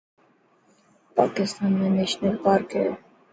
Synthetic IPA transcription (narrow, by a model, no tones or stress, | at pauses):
pɑ̰kist̪ɑnːɛnɛt͡ʃnɛɾkɑɾkʰɛ̰